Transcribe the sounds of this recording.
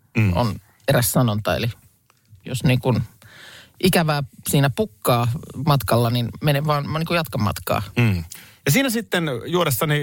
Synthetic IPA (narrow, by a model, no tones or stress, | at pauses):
o̰n | eræssɑnont̪ɑḛli | jo̰sniːŋkun | ʔikæʋæːsiːnæpukːɑːmɑt̪kɑlːɑninmeneʋʋɑːnniːŋkujɑt̪kɑmːɑ̰t̪kɑ̰ː | jɑsiːnæsit̪ːenjuoɾest̪ɑni